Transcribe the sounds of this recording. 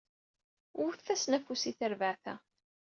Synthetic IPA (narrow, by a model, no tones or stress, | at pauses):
ʊθθæsnæfusiθəɾvəʕθæ̰